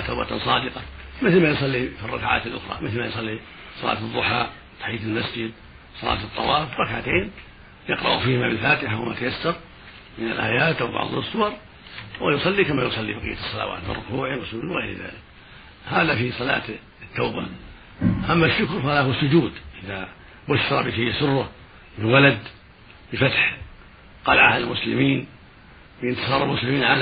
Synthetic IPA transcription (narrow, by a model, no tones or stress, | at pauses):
t̪aːba̰t̪sˤɑːd̪ɪqɑmɪθlmajʊsˤɑlːifirˤːɑkʕa̰ːt̪ɪlʔʊ̰xɾˤɑ̰mɪθlmajʊsˤɑlːi | sˤɑlɑ̰ːt̪ɨðˤːʊħaː | t̪ḁħiːat̪ɪlmasd͡ʒɪd̪ | sˤɑlɑ̰ːt̪ɨt̪ˤːɑwɑːfrˤɑkʕat̪eːn | jɪqɾɑ̰ʔufiːhmabɪlfaːt̪ɪħawɪmat̪ajasːɑɾ | mɪna̰lʔa̰ːjaːt̪abɑ̰ʕd̪ˤɨsˤːʊwɑɾˤ | wɪjʊsˤɑlːikamajʊsˤɑlːibɑqḭjːḁsˤːɑla̰wa̰ːt̪mɪ̰rʊ̰kuːʕimɪsmiːnwɪɣḛjɾða̰ːlɪk̚ | haːðafisˤɑla̰ːt̪ | t̪ːaːba̰ | ʔamːaʃːʊkɾˤfaaahwsːʊd͡ʒuːd̪ʔɪða | bʊʃːɑɾˤɑbɪkajːsʊrːʊ | mɪwalad̪ | bɪfat̪ħ | qɑlaʕahalmʊslɪ̰miːn | bɪjɪnt̪ɪ̥sˤɑːɾˤalmʊslɪmiːnʕal